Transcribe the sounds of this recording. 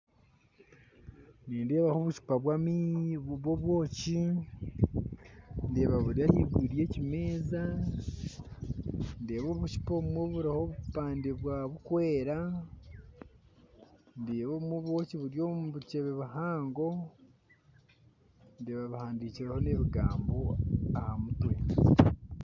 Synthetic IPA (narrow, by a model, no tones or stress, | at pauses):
niːndeːβahoβuʃi̥paβwamiβwoβwo̞ːci | ndeːβaβuɾjahiɡwiːɾije̞cimeːza | ndeːβoβuʃi̥poumweβuɾahoβupaːndiβwaːβukwe̞ːɾa | ndeβoβumweβwo̞ciβuɾjo̞muβut͡ʃeβeβahaːŋɡo̞ | ndeːβaβahaːndiːciɾeho̞ne̞βiɡaːmboahamutwe̞